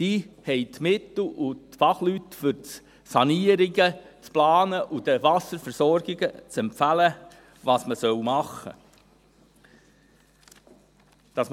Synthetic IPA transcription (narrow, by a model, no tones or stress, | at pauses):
d̥iːhɛɪtmɪt̪l̩ʔʊtfɑχlytfʏɾt | sɑniəɾɪɡət͡splɑːnəʔud̥əvɑsəɾfɛɾsɔɾɡ̥ɪɡət͡sɛmpfælə | vɑsməsœwmɑχə̰ | d̥ɑs